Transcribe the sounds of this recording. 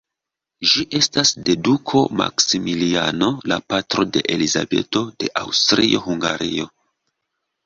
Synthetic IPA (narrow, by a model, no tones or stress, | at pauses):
ʒiʔe̞stasde̞dukʰo̞ma̰ksimilia̰no̞lapatɾo̞de̞ʔeliza̰be̞̰to̞d̥e̞ʔawstɾio̞ɦuŋɡa̰ɾʔio̞